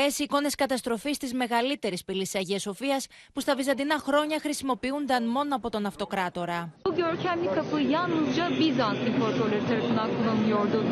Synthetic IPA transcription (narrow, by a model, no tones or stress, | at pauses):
esiko̞ne̞skɐt̪ɐst̪ɾo̞fist̪izme̞ɣɐlit̪e̞ɾispilisi̥ɐʝiɐso̞fiɐs | pust̪ɐvizɐnd̪inɐxɾo̞ɲɐxɾisimo̞piund̪ɐnmo̞noɐpo̞t̪o̞nɐft̪o̞kɾɐt̪o̞ɾɐbuɟøɾcʰæmnikɐpɯjanuzd͡ʒabizanst̪impoɾt̪olʲeɾit̪ʰeɾɐfunakulˠɐnujo̞ɾd̪u